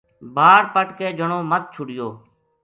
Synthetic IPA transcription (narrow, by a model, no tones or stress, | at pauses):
bʱaːɾpəʈkeːd͡ʒəɳoːmət̪̚t͡ʃʰʊɽɪjoː